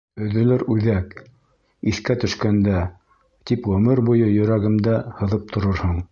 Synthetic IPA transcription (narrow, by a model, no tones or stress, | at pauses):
ɵ̆ðɵ̆lɘɾʉðæk | iθkæt̪ɵ̆ʃkænd̪æ | t̪ipʁɵ̆mɘɾbujɤjɵ̆ɾæɡɘmd̪æhɤ̆ðɤp̚t̪ʰŏɾoɾhoɴ